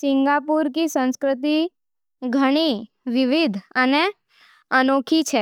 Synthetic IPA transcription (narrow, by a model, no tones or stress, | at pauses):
sɪŋɡapuɾkisə̃nskɾɪt̪i | ɡʱəɽ̃i | ʋɪʋid̪ʱəne | ənokʰit͡ʃʰe